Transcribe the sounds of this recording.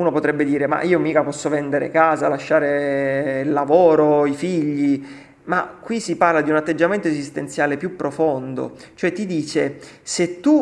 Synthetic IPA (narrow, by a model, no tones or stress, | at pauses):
uːnopot̪ɾɛbːed̪iːɾema̰ʔiːomiːkapɔsːovɛnd̪eɾḛkaːzalaʃːaːɾeilːavoːɾoifiʎːi | makːwisiparlad̪iunat̪ːed͡ʒːament̪oezist̪ent̪sjaːlepjupːɾofond̪o̰t͡ʃoɛt̪ːid̪iːt͡ʃeset̪ːu